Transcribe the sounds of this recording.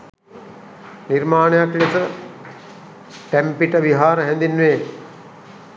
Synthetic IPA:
niɾmaːnəjaklet̪ə | ʈæmpiʈəʋiɦaːɾəɦɛnd̪inːʋeː

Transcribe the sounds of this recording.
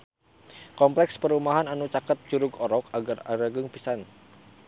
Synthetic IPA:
kɔmplɛkspəɾumaɦananut͡ʃakət̪̚t͡ʃuɾʊɡɔɾɔkaɡara̰ɾaɡəŋpisan

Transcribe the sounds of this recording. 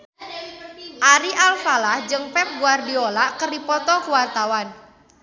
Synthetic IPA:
ʔaɾiʔalfalahd͡ʒɨŋpɛp̚ɡuardiolaʔkərdipɔt̪ɔkuwart̪awan

